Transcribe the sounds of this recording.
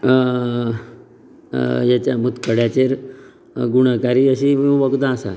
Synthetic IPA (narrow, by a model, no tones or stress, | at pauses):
jat͡ɕjamut̪kəɽjat͡ɕeɾ | ɡuɽ̃əkaɾiːəɕiʋəɡd̪ãːsa̰